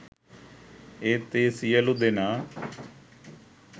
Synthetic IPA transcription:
eːt̪eːsijəlʊd̪eːnaː

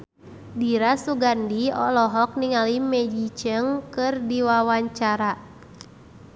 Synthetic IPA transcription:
diɾasuɡandiɔ̰lɔɦɔk̚niŋalimɛd͡ʒit͡ʃəŋkɨrdiwawaɲt͡ʃaɾa

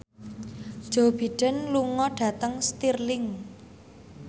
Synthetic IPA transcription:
d̥ʒ̥ob̥iɖ̥ənluŋɔɖ̥a̤t̪əŋst̪irlɪŋ

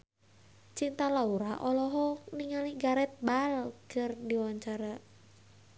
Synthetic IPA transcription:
t͡ʃiŋt̪alauɾaʔɔlɔɦɔniŋaliɡaɾɛt̪̚balkɨrdiwaɲt͡ʃaɾa

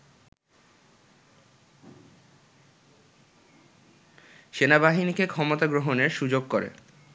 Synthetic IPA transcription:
ʃenabaɦinikekʰɔmot̪aɡɾoɦoneɾʃud͡ʑoɡkoɾḛ

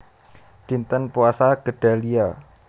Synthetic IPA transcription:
d̥int̪ənpuasaɡ̥əɖ̥a̤lia

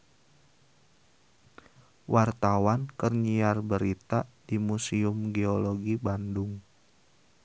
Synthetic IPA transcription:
wʔart̪awankərɲiarbəɾit̪ad̥imusiʊmɡeoloɡibandʊŋ

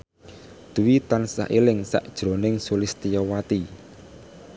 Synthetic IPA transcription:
d̪̥uwit̪ansa̰ʔilɪŋsa̰ʔd̥ʒ̥ɾo̤nɪŋsulɪst̪ijɔwat̪i

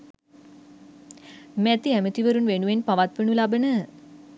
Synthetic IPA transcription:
mæt̪iæmət̪iʋəɾunʋenuʋenpaʋat̪ʋenulabənə

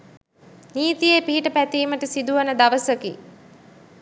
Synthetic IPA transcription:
niːt̪ijepiɦiʈəpæt̪iːməʈəsid̪uʋənəd̪aʋəsəkḭ

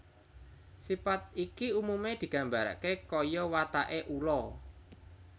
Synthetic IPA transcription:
sipat̪̚ikiumumed̪̥i̤ɡ̥a̤mbaɾa̰ʔkekɔjɔwat̪a̰ʔeʔulɔ

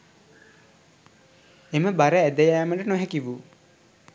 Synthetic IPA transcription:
eməbaɾəæd̪əjaːməʈənoɦɛkiʋu

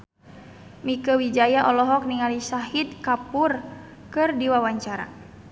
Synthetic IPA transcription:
mikəwid͡ʒajaʔɔlɔɦɔk̚niŋalisaɦid̪̚kapur | kɨrdiwawaɲt͡ʃaɾa̰

